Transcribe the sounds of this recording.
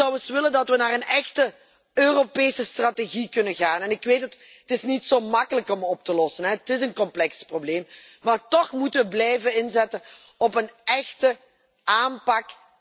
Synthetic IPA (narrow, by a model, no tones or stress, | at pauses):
ɑwəsʋɪləndɑtʋənaːrənɛxtə | øːropeːsəstrateɣikɵnənɣaːnɛnɪkʋeːtət | ətɪsnitsoːmɑkələkɔmɔp̚təlɔsənɦɛətɪs̬ənkɔmplɛksprobleːmmaːrtɔxmutəʋəblɛjvənɪnzɛtən | ɔpənɛxtə | ʔaːmpɑk